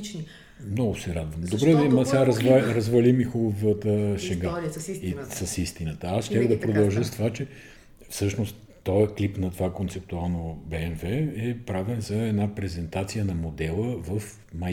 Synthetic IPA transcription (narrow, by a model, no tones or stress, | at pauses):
t͡ʃi | mnɔɡʊsɛɾad̪vəmd̪obɾɛmɐsaɾɐzvaɾɐzvɐlimixubovət̪əʃɛɡaisɐsist̪inət̪əasʃt̪ʲaɣd̪ɐpɾod̪ɐlˠʒəst̪ovat͡ʃɛ | fsɤʃnost̪ːɔjklipnɐt̪ovakont̪sɛp̚t̪ualˠnobɛɛnvɛɛpɾavɛnzɐɛd̪napɾɛzɛnt̪at̪sijənɐmod̪ɛlˠəvɐf | mɐ